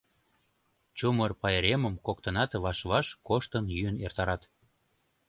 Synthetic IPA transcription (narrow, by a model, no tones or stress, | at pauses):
t͡ɕumərpɑjeɾeməmkokt̪ənɑt̪βɑʃβɑʃkoʃt̪ənjyənḛrt̪ɑɾɑt̪